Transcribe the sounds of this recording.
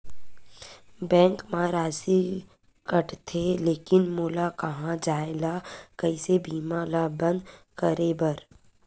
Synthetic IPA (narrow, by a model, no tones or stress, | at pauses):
bɛ̃ːŋkmaɾaːsi | kəʈt̪ʰeleːkɪnmuːlakɐɦãd͡ʒaːelakəisebʱiːmãlabə̃nd̪ | kəɾebəɾ